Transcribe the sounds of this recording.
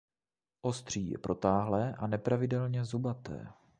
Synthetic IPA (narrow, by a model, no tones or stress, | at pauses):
ʔo̞st̪r̝̥iːjɛ̰pɾot̪aːɦlɛːʔanɛpɾavɪdɛlɲɛzubat̪ɛ̰ː